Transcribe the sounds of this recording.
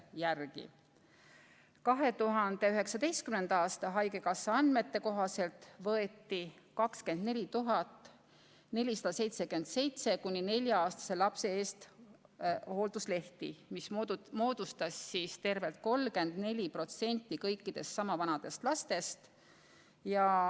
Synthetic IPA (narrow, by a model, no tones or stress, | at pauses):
jærɡ̥ḭ | kɑɦe̞t̪uɦɑnd̪̥e̞yɦe̞ksɑd̪e̞jst̪̚kymne̞nd̪̥ɑːst̪ɑɦɑjɡe̞kɑsːɑɑnd̪̥me̞t̪ːe̞ko̞ɦɑse̞lt̪vɤe̞t̪ːi | kɑkske̞nd̪ne̞lʲit̪uɦɑt̪ːˑ | ne̞lʲisɑ̥d̪̥ɑse̞jt̪se̞kyend̪se̞jt̪se̞kunʲːine̞lʲjɑɑːst̪ɑ̥se̞lɑpse̞eːst̪ | ho̞ːld̪̥usle̞ht̪ḭmismo̞ːd̪̥ust̪ɑsːist̪e̞rve̞lt̪̚ko̞lːke̞nd̪̥ne̞lʲipro̞t̪se̞nʲt̪ːˑikɤ̞jkːid̪̥e̞st̪sɑmɑvɑnɑd̪̥e̞st̪lɑst̪e̞st̪ | jɑ